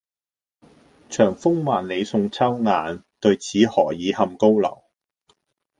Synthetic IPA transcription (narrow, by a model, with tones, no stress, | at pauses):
t͡ʃʰœː˨˩ŋfʊ˥ŋmaː˨nle˨˧jsʊ˧ŋt͡sʰɐ˥wŋaː˨n | t̪ɵ˧ɥt͡sʰiː˨˥hɔː˨˩jiː˨˧hɐ˧mko˥wlɐ̰˨˩w